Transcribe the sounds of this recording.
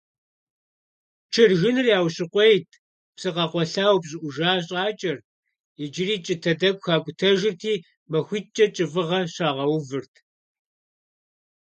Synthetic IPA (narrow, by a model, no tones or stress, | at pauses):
t͡ʃʰɨrʒɪnɨrjaːwɕɪqʷejtʰ | psɨqɐqʷɔɬaːwpɕʼɪʔʷʊʒaːɕ̬ʼaːt͡ʃʼɐr | ɪd͡ʒɪriːt͡ʃʼɪtʰɐdɐkʷxaːkʷʼʊtʰɐʒɪrtʰiː | mɐxʷit͡ʃʼɐt͡ʃʼɨvɨʁɐɕaːʁɐwvɨrtʰ